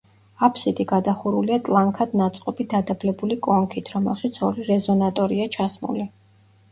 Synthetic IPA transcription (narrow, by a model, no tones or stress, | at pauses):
apʰsid̪ʼiɡad̪aχuɾuliat̪ʼlˠaŋkʰad̪̥nat̪sʼqʼɔbid̪ad̪ablɛbulikʼɔŋkʰit̪ʰɾɔmɛ̰lˠʃit̪sʰɔɾiɾɛzɔnat̪ʼɔɾiat͡ʃʰasmṵli